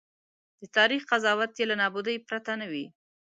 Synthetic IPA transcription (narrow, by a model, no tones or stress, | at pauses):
d̪̥ət̪ɑɾixqazɑwat̪jelanɑbud̪əjpɾat̪anawi